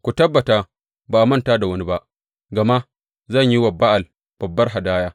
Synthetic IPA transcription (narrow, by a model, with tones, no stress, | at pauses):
kʷu˨tɐ˦bːɐ˨taː˦ | baː˨ʔmɐ˦ntaː˦da˨wɐ˦ni˦ba˦ʔ | ɡɐ˨ma˦ | zɐ˦˨ɲji˦wɐ˨bːa˦ʔa˨l | b̥ɐ˨bːɐ˦rɦa˨daː˦jaː˦